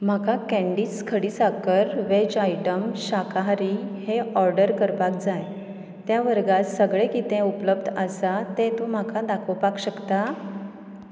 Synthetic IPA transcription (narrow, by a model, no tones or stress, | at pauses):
m̤akakæ̃ɳɖiːskʰəɽiːsakəɾʋed͡ʑajʈəmɕakaɦɾiheɔɾɖəɾkəɾpak̚d͡zaj | t̪jaʋəɾɡasəɡɭekit̪ẽupləbd̪ʱəsat̪et̪om̤akʰad̪akʰəpakɕəkt̪a